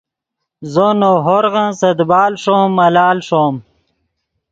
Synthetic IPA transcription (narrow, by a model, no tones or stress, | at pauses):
zonoɦoɾɣãsɐd̪baːlʂoːmːɐlaːlʂoːm